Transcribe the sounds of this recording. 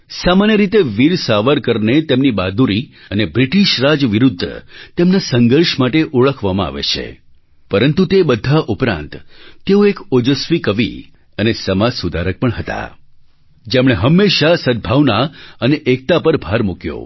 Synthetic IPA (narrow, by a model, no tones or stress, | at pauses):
samanjəɾit̪eʋiɾsaʋəɾkəɾnet̪emnibad̪uɾiənebɾiʈiʃɾad͡ʒʋiɾud̪ʱːə̰t̪emnasəŋɡəɾʃmaʈeʔuɭəkʰʋamãa̰ʋḛt͡ʃʰḛ | pəɾənt̪ut̪ebəd̪ʱːaʔupɾã̰nt̪ːeoekod͡ʒəsʋikəʋḭ | ənesəmasud̪ʱaɾək̚pəɳɦət̪a̰ | d͡ʒemɽ̃eɦəmːeʃasəd̪̚bʱaʋnaəneʔek̚t̪apəɾbʱaɾmukjo̰